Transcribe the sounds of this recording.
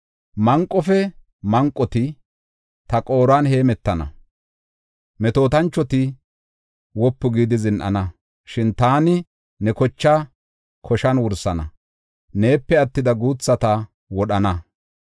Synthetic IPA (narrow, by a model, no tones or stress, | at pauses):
mɐŋkʼːɔfɛ | mɐŋkʼːɔt̪ɪ | t̪ɐkʼo̞ːɾaːnhe̞ːmɛt̪ːɐnɐ̰ | mɛt̪o̞ːt̪ɐnt͡ʃːɔt̪ɪ | wɔpːʊɡiːd̪ɪzɪnʔɐ̰nɐ | ʃɪnt̪aːnɪ | nɛkɔt͡ʃːa | kʰɔʃɐnwʊɾsɐnɐ | ne̞ːpːɛɐt̪ːɪd̪ɐɡuːt͡sːɐt̪ɐ | wɔɗɐnɐ